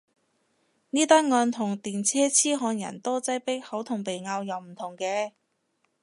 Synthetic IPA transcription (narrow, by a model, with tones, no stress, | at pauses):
niː˥t̪aː˥ŋɔː˧nt̪ʰʊ˨˩ŋt̪iː˨nt͡sʰɛː˥t͡sʰiː˥ɦɔː˧njɐ̰˨˩nt̪ɔː˥t͡sɐ˥jpɪ˥k̚hɐ˨˥wt̪ʰʊ˨˩ŋpe˨jŋaː˧wjɐ˨˧wm̩˨˩t̪ʰʊ˨˩ŋkɛː˧